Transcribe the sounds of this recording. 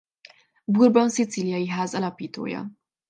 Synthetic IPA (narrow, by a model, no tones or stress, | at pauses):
buɾbɔnsit̪t͡siljɐjiɦaːzɐlɒpit̪o̰ːjɑ̰